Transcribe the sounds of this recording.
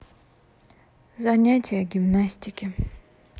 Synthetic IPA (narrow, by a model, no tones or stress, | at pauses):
zɐnʲatʲɪjəɡʲɪmnasʲtʲɪkʲɪ